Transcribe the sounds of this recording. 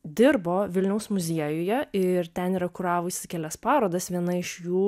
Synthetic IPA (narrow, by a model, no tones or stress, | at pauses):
d̪ʲɪɾboːʋʲɪlʲnʲɛʊsmʊzʲiɛjʊjɛɪɾt̪ʲɛniːɾɐkʊɾɑːʋʊsʲɪkʲɛlʲɛspɑːɾoːd̪ɐsʋʲiɛnɐɪʃjuː